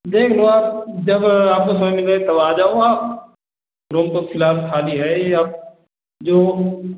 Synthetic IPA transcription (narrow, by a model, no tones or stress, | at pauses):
d̪eːkʰloaːpd͡ʒɐbaːp̚kosɐməmɪlet̪ɐbaːd͡ʒaːoaːp̚ | ɾoːmt̪oxɪlaːfkʰaːliɦɛaːp̚ | d͡ʒoː